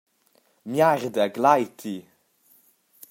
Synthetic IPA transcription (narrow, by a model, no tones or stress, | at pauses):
mjardəɡlajtʰi